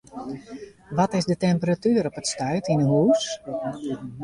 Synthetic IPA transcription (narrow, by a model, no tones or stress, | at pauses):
ʋɔtɪzdətɛmpəratyːɾɔpətstœɥtinəɦuːs